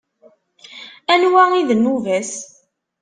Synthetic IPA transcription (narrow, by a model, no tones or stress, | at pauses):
ænwæiðənuvæs